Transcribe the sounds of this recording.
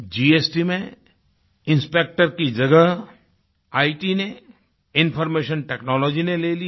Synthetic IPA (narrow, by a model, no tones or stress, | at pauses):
d͡ʒiːeːsʈimẽ | ɪ̃nspeːk̚ʈəɾkid͡ʒɐɡəɦ | aːiʈine | ɪ̃nfʰɔɾmeːʃənʈeːknɔːlɔːd͡ʒineleːli